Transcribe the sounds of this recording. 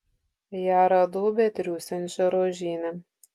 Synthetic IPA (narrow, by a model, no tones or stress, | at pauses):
jaɾɐd̪uːbʲɛt̪ʲɾʲuːsʲɛnʲt͡ʃʲɛɾoːʒʲiːnʲɛ